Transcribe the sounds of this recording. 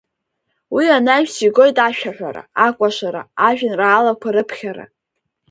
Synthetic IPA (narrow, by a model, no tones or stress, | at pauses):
wianaʒᶣsiɡo̞jtʼaʃᶣaħᶣʷa̰ɾa̰akʷʼaʂʷaɾa̰aʒᶣɪnraːlakʷʰaɾɨpʰχʲaɾa̰